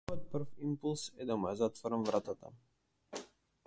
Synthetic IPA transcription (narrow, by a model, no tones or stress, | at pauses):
jɔt̪̚pr̩fimpulˠsɛd̪amujazat̪vɔɾamvɾʔat̪at̪a̰